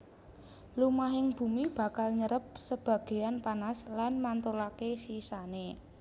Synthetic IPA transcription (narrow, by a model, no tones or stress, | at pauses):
lumaɦɪŋb̥ṳmib̥a̤kalɲəɾəp̚səb̥a̤ɡ̥e̤anpanaslanmant̪olakesisane